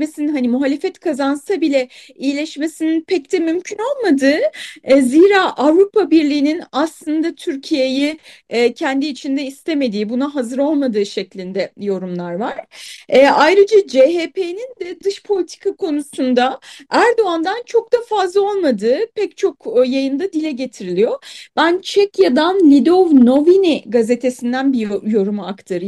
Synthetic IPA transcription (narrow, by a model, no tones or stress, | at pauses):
mesinnɦanimuɦaːlʲe̞fɛt̪kʰazansabilʲɛ | ijlʲɛʃme̞sininpʰɛc̚d̪ɛmymcʰyno̞lˠmad̪ɯːziːɾaːʔavɾupʰabiɾlʲiːninaslˠɯnd̪at̪ʰyɾcʰijejicʰɛnd̪iːt͡ʃʰind̪ɛist̪ʰe̞me̞d̪iːbunaɦazɯɾo̞lˠmad̪ɯːʃɛclʲind̪ɛjo̞ɾumlˠaɾvaɾ̥ɛːʔajɾɯd͡ʒad͡ʒeɦeːpʰenind̪ɛd̪ɯʃpʰo̞lʲit̪ʰi̥kʰakʰo̞nusund̪aæɾd̪o̞and̪ant͡ʃʰo̞k̚d̪afazlˠao̞lˠmad̪ɯːpʰɛct͡ʃʰo̞kːjajɯnd̪ad̪ilʲɛɟe̞t̪ʰiɾilʲijo̞b̥ænt͡ʃʰɛkjad̪anlʲid̪ovno̞viniɡaze̞t̪ʰe̞sind̪ænbijjo̞ɾumuakt̪ʰaɾɯ